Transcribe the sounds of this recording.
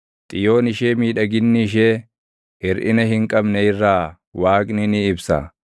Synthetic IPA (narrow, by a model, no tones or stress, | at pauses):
t̪ʼɪjo̞ːnɪʃeːmiːᶑɐɡɪnːɪɪʃ̬eː | hɪɾʔɪ̰nɐɦɪŋkʼɐbnɛɪrːaː | waːkʼnɪnɪːbsɐ̰